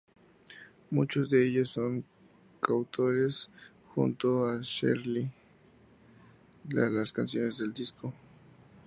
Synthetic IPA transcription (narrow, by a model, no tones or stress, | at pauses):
mut͡ʃozd̪eeʎosːoŋ | kawt̪ʰoɾes | xṵnt̪oaʃḛɾli | alaskansjo̞nezðeld̪isko